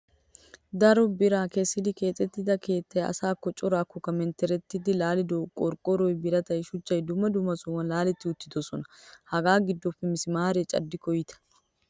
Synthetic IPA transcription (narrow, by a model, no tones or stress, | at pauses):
d̪ɐɾɔbɪɾaːkeːsːɪd̪ɪke̞ːt͡sʼːɛt̪ːɪd̪ɐke̞ːt̪ːɐjɐ̰saːkːɔt͡ʃʼɔɾaːkːɔkɐmɛnt̪ɛɾɛt̪ːɪd̪ɪlaːlɪd̪ɔkʼɔɾkʼɔɾɔjbɪɾɐt̪ɐjɪʃʊt͡ʃːɐjd̪ʊmɐd̪ʊmɐsʊwɐnlaːlɛt̪ːɪʊt̪ːɪ̥d̪ɔsɔnɐhɐɡaːɡɪd̪ːɔfɪmɪsɪmaːɾeːt͡ʃʼɐ̰d̪ːɪkɔjɪt̪ɐ̥